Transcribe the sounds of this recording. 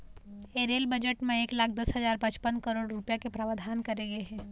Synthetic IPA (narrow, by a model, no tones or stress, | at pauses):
eːɾeːlbəd͡ʒəʈmẽeːklaːk̚ʰd̪ɐsɦɐzaːɾpɐ̃t͡ʃpənkəɾoːɽɾʊpjakepɾaːʋad̪ʱaːnkɐɾeːɡeɦɛ̃ː